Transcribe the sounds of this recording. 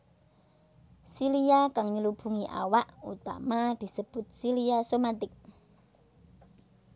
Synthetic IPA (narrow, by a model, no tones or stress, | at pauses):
siliakaŋɲəlub̥ṳŋiʔa̰waʔṵt̪a̰mad̪̥i̤səb̥ʊt̪̚siliasomat̪ɪk̚